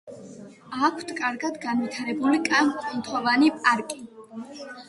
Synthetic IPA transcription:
akʷʰt̪ʰkʼaɾɡad̪ɡanvit̪ʰaɾɛbulikʼamqkʼɔnt̪ʰɔvanipʼaɾkʼi

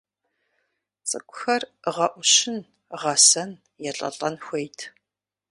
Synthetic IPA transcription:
t͡sʼɨ̰kʷʼʊxɐrʁɐʔʷʊɕɪn | ʁɐsɐn | jɛɬʼɐ̰ɬʼɐnxʷejtʰ

